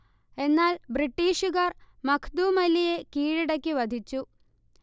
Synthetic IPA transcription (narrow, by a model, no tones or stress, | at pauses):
e̞nːaːlbriʈːiːʂuɣɐr | mɐkʰd̪uːmɐlije̞kiːɻiɽɐkʲːɨʋɐd̪ʱit͡ɕːu